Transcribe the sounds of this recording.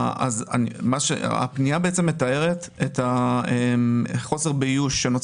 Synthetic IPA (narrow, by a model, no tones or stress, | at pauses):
a̰za̰nmaʃḛa̰pniabeet͡se̞mːe̞tae̞ʁet | etaemχo̞se̞ʁbejuʃːenot͡s